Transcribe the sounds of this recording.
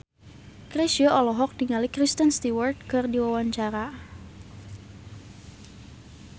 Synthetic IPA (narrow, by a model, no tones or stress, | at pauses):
kɾesiɔʔɔlɔɦɔk̚diŋalikɾist̪ənst̪iwɔrt̪̚kɨrdiwawaɲt͡ʃaɾa